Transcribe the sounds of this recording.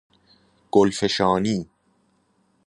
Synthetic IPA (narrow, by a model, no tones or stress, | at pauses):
ɡ̥olfeʃɑːniː